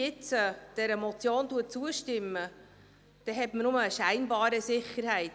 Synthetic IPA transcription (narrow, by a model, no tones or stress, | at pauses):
ɪt͡səd̥ɛɾəmɔt͡sjoːntuət̚t͡suəʃtɪmːə | d̥ɛɦɛtmənʊməːʃæɪnbɑːɾəsɪχəɾhɛɪt